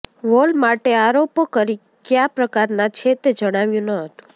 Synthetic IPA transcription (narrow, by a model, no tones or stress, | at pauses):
ʋolmaʈeaɾopokəɾi | kjapɾəkaɾnat͡ʃʰet̪ed͡ʒəɽ̃aʋjũnəɦət̪ũ̥